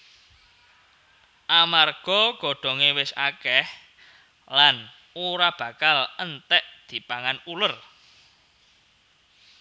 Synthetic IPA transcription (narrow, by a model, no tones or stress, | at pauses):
ʔamarɡ̥ɔɡ̥ɔ̤ɖ̥ɔ̤ŋewɪsa̰kɛh | lan | uɾab̥ä̤kalənt̪ɛʔd̪̥i̤paŋanulʊr